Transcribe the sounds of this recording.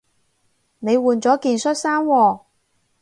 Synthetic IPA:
ne˨˧jwuː˨nt͡sɔː˨˥kiː˨˧nsɵ˥t̚saː˥nwɔː˧˩

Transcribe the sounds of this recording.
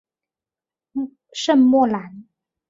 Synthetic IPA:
ʂə˥˨nmwɔ˥˩la˨˥n

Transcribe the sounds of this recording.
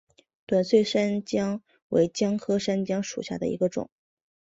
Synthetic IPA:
t̪wa˨˩nswe˥˩ɪʂə˥nt͡ɕjɑ˥ŋ | wḛ˧˥ɪt͡ɕjɑ˥ŋkʰɤ˥ʂa˥nt͡ɕjɑ˥ŋʂṵ˨˩ɕja̰˥˩d̪ə̰˩ḭ˧˥ɡə˧ʈ͡ʂʊ̰˨˩˦ŋ

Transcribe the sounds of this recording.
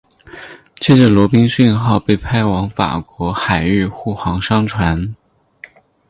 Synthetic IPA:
t͡ɕʰɛ˥˩ʈ͡ʂə˨˩lwɔ˧˥pi˥ŋɕy˥˧nxɑ˥˧ʊpe˥˩ɪpʰa˥ɪwɑ˧˥ŋfa̰˨˩kwɔ˧˥xa˨˩ɪy˥˧xu˥˩xwɑ˧˥ŋʂɑ˥ŋʈ͡ʂʰwa˧˥n

